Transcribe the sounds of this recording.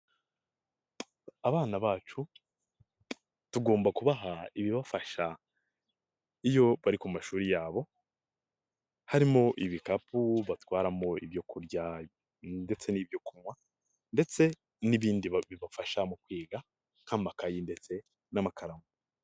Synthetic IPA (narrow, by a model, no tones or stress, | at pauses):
aβaːnaβaːt͡ʃu | tuɡo̞ːmbakuβaɦaiβiβafaʃa | ijo̞βaɾikumaʃuːɾijaːβo̞ | haɾimo̞ʔiβikapʰuβatwaːɾamo̞iβjo̞kuɾɟa | nde̞t͡se̞niβjo̞kumŋwa | nde̞t͡se̞ | niβiːndiβiβafaʃamukwiːɡa | ŋ̥hamakajinde̞t͡se̞ | namakʰaɾamɡu